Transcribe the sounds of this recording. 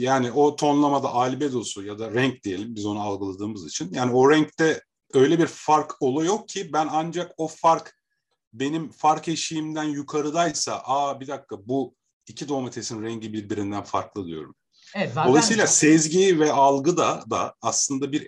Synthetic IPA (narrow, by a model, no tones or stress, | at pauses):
jaːnio̞t̪ʰo̞nlˠamad̪aʔalʲbed̪o̞sujad̪aɾɛɲcd̪ije̞lʲimbizo̞nualˠɡɯlˠad̪ɯːmɯzit͡ʃʰinjaːnio̞ɾɛɲct̪ɛ | ø̞jlʲɛbiɾfaɾkolˠujo̞k̚cʰibænand͡ʒako̞faɾk | be̞nimfaɾkʰeʃijimd̪ænjukʰaɾɯd̪ajsa̰ʔaːbid̪akːabu | icʰid̪o̞met̪ʰe̞sinɾɛɲɟibiɾbiɾind̪ænfa̰ɾklˠɯd̪ḭjo̞̰ɾum | d̪oajs̬ijlʲˠasɛzɟivɛalˠɡɯd̪ad̪a̰ːslˠɯnd̪abiɾ